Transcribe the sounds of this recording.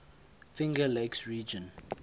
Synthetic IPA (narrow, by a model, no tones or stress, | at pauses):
fĩŋɡəleksɹid͡ʒɔ̃n